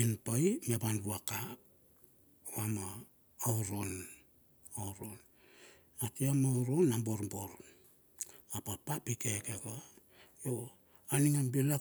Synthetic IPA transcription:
inpajmebanbuaka | oama | owɾo̞n | owɾo̞n | atiamawɾo̞namboɾmboɾ | apapapikekeɡa | jo | aniŋambila

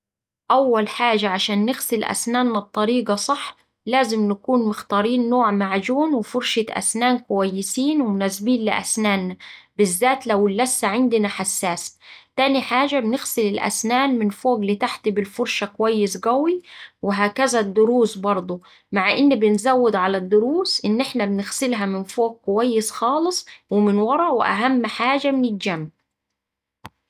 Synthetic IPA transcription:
ʔawːalħaːʒaʕaʃaːnːɪɣsɪlʔa̰snaːnːab̚t̪ˤːɑɾiːɡɑsˤɑħː | laːzɪmnakuːnmʊxt̪ɑːɾiːnːoːʕmaʕd͡ʒuːnwɪfʊɾˤʃaʔa̰snaːnkʊwajːɪsiːnwɪmʊnaːsbiːnlɪʔa̰snaːnːabɪzːaːt̪lawɪlːasːaʕɪnd̪ɪnaħasːaːst̪aːniħaːʒabɪnɪɣsɪlɪlʔa̰snaːnmɪnfoːɡlɪt̪aħt̪ibɪlfʊɾˤʃakʊwæjːɪsɡæwiwɪɦaːkæzæd̪ːʊɾuːsbɑɾˤd̪ˤo | maʕʔɪnːbɪnzæwːɪd̪ʕalæd̪ːʊɾuːsʔɪnːʔɪħnæbɪnɪɣsɪlɦæmɪnfoːɡ̚kʊwæjːɪsxɑːlɨsˤwɪmɪnwɑɾˤɑwɪ̰ʔa̰ɦamːħaːʒamɪnɪld͡ʒæmː

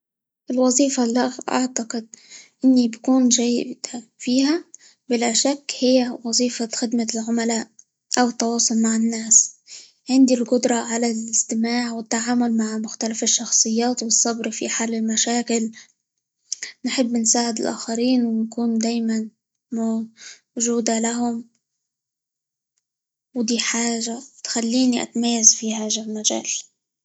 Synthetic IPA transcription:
ʔɪlwɑzˤiːfalːaɣʔa̰ʕt̪ɑqɪd̪̚ʔɪnːibakuːnʒajːɪd̪fiːha | bɪlaʃakːhɪjːawɑzˤiːfaxɪd̪malʕʊmalaːʔ | ʔawɪt̪ːɑwɑːsˤʊlmaʕɪnːaːs | ʕɪnd̪ilqʊd̪ɾˤɑʕalalɪst̪ɪmaːʕwɪt̪ːaʕaːmʊlmaʕmʊxt̪alafɪʃːɑxsˤɨjːaːt̪wɨsˤːɑbɾfiħaːlɪlmaʃaːkɪl | nħɪbːnsaːʕɪd̪ɪlʔa̰ːxaɾiːnwɪnkuːnd̪aːjman | mo | ʒuːd̪alaɦʊm | wd̪iːħaːʒat̪xalːiːniʔa̰t̪amajːazfihaːʒamaʒa̰ːl

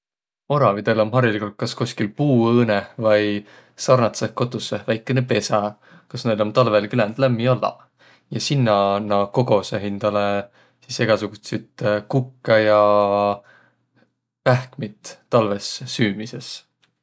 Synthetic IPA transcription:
o̞ɾɑvid̪̥elo̞mɦɑrjɑlikult̪̚kɑskusʲkilpuːɤːnevɑj | sɑrnɑt̪seko̞t̪ːˑusːevæjkːˑenepe̞sɑ | kɑsne̞jlo̞nt̪ɑlvelkylend̪̥læmːiolːɑ̰ | jɑsinːɑnɑko̞ɡ̥o̞seɦind̪̥ɑle | sise̞ɡ̥ɑsuɡ̥ut̪sit̪kukːɑjɑ | æhkmit̪ːɑlve̞sːyːmise̞s

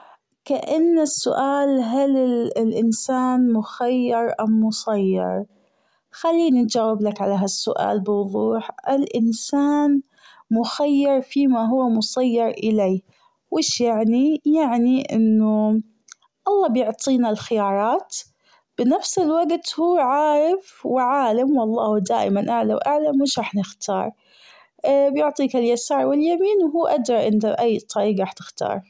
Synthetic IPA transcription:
kaʔanːasːʊʔaːlɦalɪlʔɪnsaːnmʊxajːɪɾˤʔamːʊsˤɑjːɑ̰ɾˤ | xalːiːnit̪̚d͡ʒaːwɪblakʕalaɦasːʊʔa̰ːlbɪwʊðˤuːħʔɪlʔɪnsaːn | mʊxajːɑɾˤfimaɦʊwːmʊsˤɑjːɑɾˤʔɪleː | wɪːʃjaʕnijaʕniʔɪnːʊ | ʔɑlˤːɑːbjʊʕt̪ˤʰiːnalxɪjɑːɾˤɑːt̪ | b̥ɪnafsɪlwaɡt̪huːʕaːɾɪfwɪʕaːlamwɑlˤːɑːd̪aːʔɪmanʔaʕlawʔaʕlamwɪːʃɾˤɑːħnɪxt̪ʰɑ̰ːɾˤ | bjʊʕt̪ˤiːkaljasaːɾˤwɪljamiːnwɦuːʔad̪ɾˤɑʔɪnt̪aʔajːt̪ˤʰɑɾiːɡɣaːħt̪ɪ̥xt̪ʰɑ̰ːɾˤ

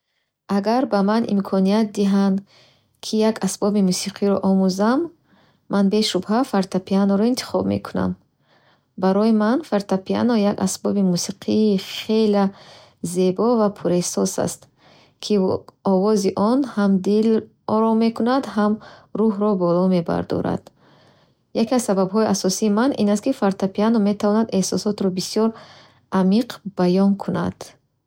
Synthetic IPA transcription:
aɡaɾbamanḭmkʰɔnijat̪̚d̪iɦand̪ | kʰijakasbɔbimusiqʰiɾɔʔɔmuzamː | anbe̞ʃubɦafaɾt̪apʰianɔɾɔint̪ʰi̥χɔbmḛkʰuna̰m | baɾɔjimanfaɾt̪apia̰nɔjaɡa̰sbɔbimusiqʰiːχe̞la | ze̞bɔvapʰuɾesɔsa̰st̪ | kʰiɔvɔziʔɔnhamd̪il | ɔɾɔme̞kunad̪hamɾuɦɾɔbɔlɔme̞ba̰ɾd̪ɔ̰ɾa̰d̪̥ | jakiazsababɦɔiʔasɔsiːmanʔḭnast̪̚kifaɾt̪apianome̞t̪avɔnad̪ehsɔsɔt̪ɾɔbisijɔɾ | ʔamiqb̥ajɔnkʰuna̰d̪̥

